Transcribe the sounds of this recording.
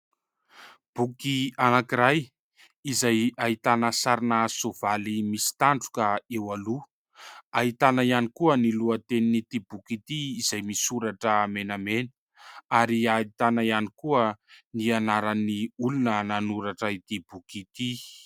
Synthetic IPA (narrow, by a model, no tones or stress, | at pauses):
b̥ukianakiɾaj | izajaɦit̪anəsaɾinasov̥alimisi̥t̪aɳɖ͡ʐu̥kəewalu | aɦit̪anaianikuəniluət̪eninit̪ibukit̪iizajmisuɾaʈ͡ʂəmenamenə̥ | aɾiait̪anaianikuənianaɾaniulunənanuɾaʈ͡ʂəit̪ib̥ukit̪i